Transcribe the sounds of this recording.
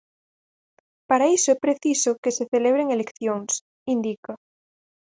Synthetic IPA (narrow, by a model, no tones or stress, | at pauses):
paɾaisoepɾeθisokeseθeleβ̞ɾeŋelekθjoŋs | ind̪ika